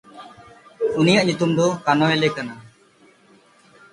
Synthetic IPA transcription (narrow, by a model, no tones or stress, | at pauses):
unijaʔɲut̪umd̪ɔkanɔɛlɛkana